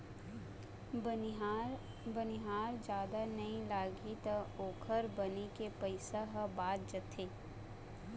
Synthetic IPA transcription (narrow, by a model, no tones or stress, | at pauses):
bəniɦaːɾd͡ʒjaːd̪anɐɦĩlaːɡit̪aoːkʰəɾbənekepəɪsaɦəbaːt̪̚d͡ʒət̪ʰeː